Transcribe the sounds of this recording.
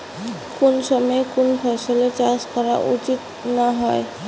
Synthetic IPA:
konsɔmɔekonpʰɔsɔlet͡ʃaskɔɾa̰ʔṵt͡ʃit̪ | naɦɔe

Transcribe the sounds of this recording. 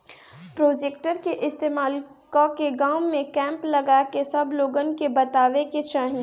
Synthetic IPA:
pɾoːd͡ʒeːk̚ʈəɾkeʔɪst̪eːmaːl | kɔːkeɡaːʊmẽkɛ̃ːmplɐɡaːkesɐbloːɡənkebɐt̪aːʋeket͡ʃɐɦn

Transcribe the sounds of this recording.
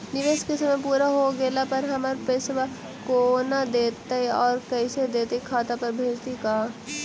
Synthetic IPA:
nɪʋeskesɐmẽpuːɾaɦoɡeːlapɐɾɦɐməɾpesʋa | konad̪eːt̪aɔːɾkɐɪsed̪eːt̪ekʰaːt̪apɐɾbʱeːd͡ʒt̪ikaː

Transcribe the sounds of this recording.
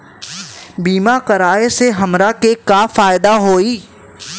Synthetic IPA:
biːmakəɾaːeseɦɐmɾakekafaːɪd̪aɦoːiː

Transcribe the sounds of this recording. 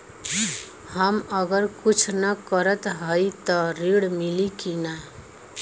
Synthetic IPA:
həməɡəɾkut͡ʃʰnʌkəɾət̪ɦəjt̪ɔɾiɽmilikina

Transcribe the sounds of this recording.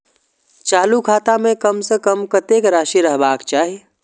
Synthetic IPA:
t͡ʃaːlukʰaːt̪amẽkəmsekəmkət̪ekɾaːʃiɾəɦbaːkt͡ʃaːɦi

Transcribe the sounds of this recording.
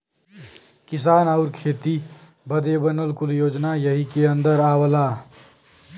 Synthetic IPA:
kisaːnaʊɾkʰeːt̪i | bəd̪ebənəlkuljoːd͡ʒnajəɦikeənd̪əɾawəla

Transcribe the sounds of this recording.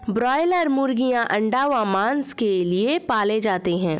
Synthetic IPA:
bɾɔːɪləɾmʊɾɡijãʔɐ̃ɳɖaːʋãmãːnskeliepaːled͡ʒaːt̪eɦɛ̃ː

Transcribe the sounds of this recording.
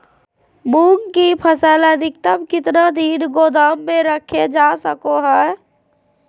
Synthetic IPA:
muŋkipʰəsələd̪ik̚t̪əbkɪt̪nad̪inɡod̪amːeɾəkʰed͡ʒasəkoɦɛ

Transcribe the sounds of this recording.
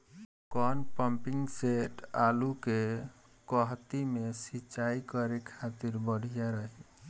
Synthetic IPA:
kɔnpəmpiŋɡseʈaluke | kɔɦt̪imesit͡ʃaikəɾekʰat̪iɾbəɽ̤ʱijaɾəɦi

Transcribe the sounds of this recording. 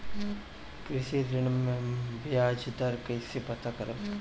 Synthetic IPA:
kɾɪʃiɾɪnmẽbijaːd͡ʒd̪ɐɾkɐisepɐt̪akɐɾə

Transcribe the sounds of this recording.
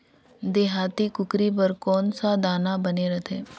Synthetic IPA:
d̪eːɦaːt̪ikʊkɾip̬əɾkɔːnsad̪aːnabəneɾət̪ʰeː

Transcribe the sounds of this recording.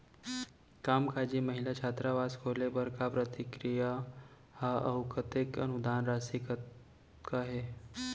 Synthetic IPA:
kaːmkʰad͡ʒiməɦilat͡ʃʰat̪ɾaʋaskʰolebəɾkapɾət̪ikɾija | haəɦʊkət̪ɪkənud̪aːnɾasik | kaɦe

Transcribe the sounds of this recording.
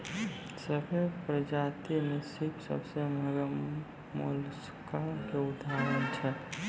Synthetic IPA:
səpʰelpɾəd͡ʒat̪inesipsə̰bseməɡə | mṵls | kakeud̪ʱaɾənt͡ʃʰɛ

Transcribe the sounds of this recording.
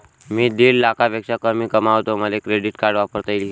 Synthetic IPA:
miːd̪ellakapəkʂakəmiːkəmaʋt̪oməlekɾeɖiʈkaɾɖʋapəɾt̪əjliː

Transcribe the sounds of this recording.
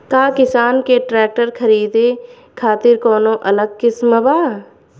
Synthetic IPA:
kaːkɪsaːnkeʈɾɛːk̚ʈəɾkʰɐɾiːd̪e | kʰaːt̪ɪɾkɔːnõʔɐləɡ̚kɪsməbaː

